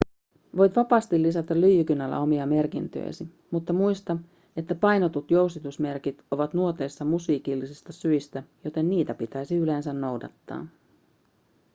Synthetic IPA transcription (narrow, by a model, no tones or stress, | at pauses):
ʋo̞jt̪ʋɑpɑːst̪ilːisɑt̪ɑlyjːykynælːæ̰o̞miɑme̞rkint̪ø̰j̰si | mut̪ːɑmujst̪ɑ | e̞t̪ːæpɑjno̞t̪ut̪jo̞wst̪it̪usme̞rkit̪o̞ʋɑt̪nuot̪e̞jsːɑmusiːkilːisist̪ɑsyist̪æjo̞t̪e̞nːiːt̪æpit̪æjsiyle̞nsænːo̞wdɑ̰t̪ːɑ̰ː